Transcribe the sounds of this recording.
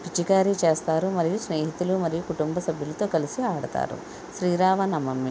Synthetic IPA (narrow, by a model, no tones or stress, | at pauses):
pit͡ʃikaːɾit͡ʃeːst̪aːɾumɐɾijusneːɦit̪ulumɐɾijukuʈumbɐsɐbʱjulɐt̪o̞ːkɐlisiaːɽɐt̪a̰ːɾṵ | ʃɾiːɾaːʋɐnɐmːɐmːi